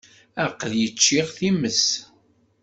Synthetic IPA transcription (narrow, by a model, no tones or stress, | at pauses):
æqːðjət͡ʃːiʁθiməs